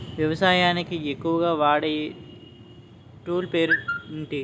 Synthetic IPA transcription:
ʋjɐʋɐsaːjaːnekijekuːɡaʋaːɽe | ʈuːlpeːɾnʈ̪i

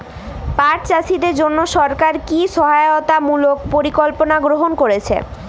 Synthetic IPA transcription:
paʈt͡ɕasid̪eɾd͡ʑonːoʃɔɾkaɾkiʃɔɦaeot̪amulok̚poɾikolponaɡɾoɦonkoɾet͡ɕʰḛ

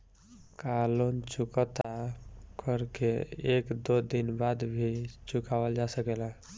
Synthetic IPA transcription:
kalont͡ʃukət̪akəɾkeekd̪od̪inbad̪bʱit͡ʃukawəld͡ʒasəkelə̃

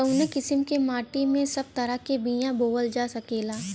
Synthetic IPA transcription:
ɔʊnẽkɪsɪmkemaːʈimẽsɐb̚t̪ɐɾakebĩjãboːʋəld͡ʒaːsɐkeːlaː

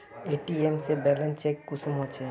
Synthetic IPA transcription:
eʈiemsebɛlent͡ʃekːusumɦot͡ʃʰe

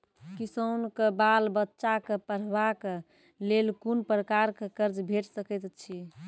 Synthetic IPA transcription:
kisonkebalbətːʃakəpəɾ̤bake | lelkunpɾəkaɾkekəɾd͡ʒbʱeʈsəkɛt̪t͡ʃʰi

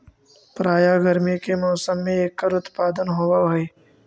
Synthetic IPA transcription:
pɾaːjaɡəɾmikemɔːsəmːẽeːkːəɾʊt̪paːd̪ənɦoːwaɦe

